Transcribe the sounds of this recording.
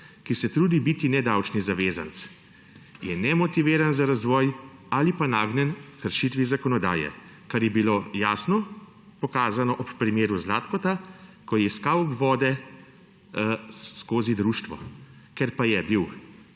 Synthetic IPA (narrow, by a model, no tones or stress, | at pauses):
kisɛt̪ɾuːd̪ibiːt̪inɛd̪awt͡ʃnizaʋeːza̰nt̪s | jɛnɛmɔt̪iʋeːɾanzaɾazʋɔːjalipanaːɡnɛnkəɾʃit̪ʋizakɔnɔd̪a̰ːjɛ̰ | kaɾjɛbiloːjaːsnɔ | pɔkaːzanɔʔɔppɾimeːɾuzlaːt̪kɔt̪akɔjɛskawbʋɔːd̪ɛ | skoːzid̪ɾuːʃt̪ʋɔ̰ | kɛɾpajɛbiw